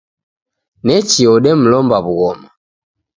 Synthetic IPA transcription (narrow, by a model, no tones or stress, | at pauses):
nɛt͡ʃiɔɗɛm̩lɔmbaβuɣɔma